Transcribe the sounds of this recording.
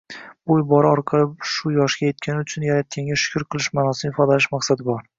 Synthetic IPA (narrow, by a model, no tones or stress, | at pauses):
bʊjbɒɾɪɒɾqʰɑlˠɪpʃʊjɒʃɡʲaje̞t̪̚kʲanɪʊt͡ʃʰʊnjaɾat̪̚kʲʰaŋɡʲaʃʊ̥kʰʲʊɾqʰɨlˠɪʃmaːnɒsɪnɪfɒd̪alɪʃmaqsad̪ɪbɒɾ